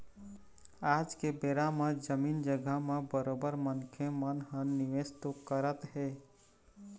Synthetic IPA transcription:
ad͡ʒkebeɾamed͡ʒəmiːnd͡ʒəɡəɦmebəɾobəɾmənkʰemənɦənːiʋest̪ukəɾət̪ɦe

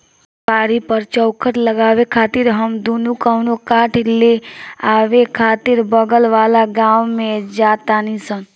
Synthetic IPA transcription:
paːɾipəɾt͡ʃəwkʰəʈləɡaːʋekʰaːt̪iɾɦəmd̪unukəwnokaʈʰleaːʋekʰaːt̪iɾbəɡəlʋaːlaɡãːwmẽd͡ʒat̪anisən

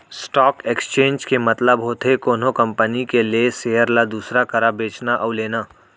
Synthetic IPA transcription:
sʈɔːkeːkst͡ʃẽːnd͡ʒkemɐt̪ləbɦoːt̪ʰekoːnõkɐ̃mpənikelieseːəɾlad̪uːsɾakɐɾabeːt͡ʃnaʔɔʊleːnaː

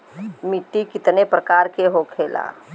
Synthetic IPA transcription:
miʈːikɪt̪nepɾəkaːɾkeɦokʰeːla̰ː

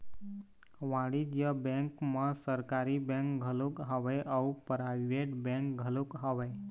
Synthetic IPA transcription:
ʋãɽid͡ʒjəbɛ̃ŋkməsəɾkaɾibẽŋkɡʱəlukɦəʋeʔaupɾaɪʋeʈbɛ̃ŋk̚ɡʱəlukɦəʋe

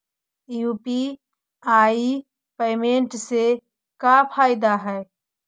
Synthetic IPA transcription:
juːpi | aːi | peːmeɳʈse | kapʰaːɪd̪aɦɛː

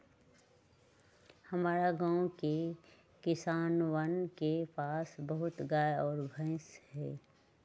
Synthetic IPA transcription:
həmaːɾaɡãːõke | kɪsaːnwənkepaːsbəɦʊt̪ɡaːjɔːɾbʱə̃ɪshɛː

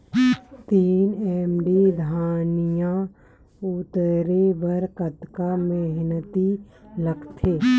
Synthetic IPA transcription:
t̪iːneːmɖid̪ʱaːnɪjã | ʊt̪əɾebəɾkət̪kameɦnət̪i | ləɡt̪ʰeː

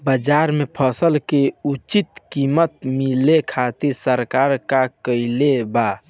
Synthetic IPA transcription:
bəd͡ʒaɾmepʰəsəlkeut͡ʃit̪kimət̪milekʰat̪iɾsəɾkaɾkakəjleba

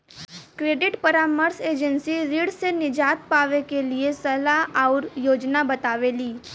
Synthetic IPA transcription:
kɾeːɖɪʈpɐɾaːməɾseːd͡ʒənsiɾiɽsenɪd͡ʒaːt̪̚paːʋekeliesɐlaɦɔːɾjoːd͡ʒnabɐt̪aːʋeliː

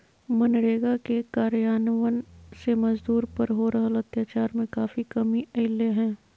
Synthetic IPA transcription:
mɐnɽeːɡakekaːɾjaːnəʋənsemɐzd̪uːɾpɐɾɦoɾɐɦəlɐt̪jaːt͡ʃaːɾmẽkaːfikɐmiɐɪlːeɦɛ̃ː

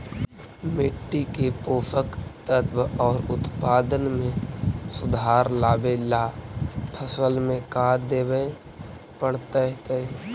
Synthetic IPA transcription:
mɪʈːikepoːsəkt̪ət̪bɔːɾʊt̪paːd̪ənmẽsʊd̪ʱaːɾlaːbelapʰəsəlmẽkaːd̪eːbe | pəɽt̪əɦt̪e

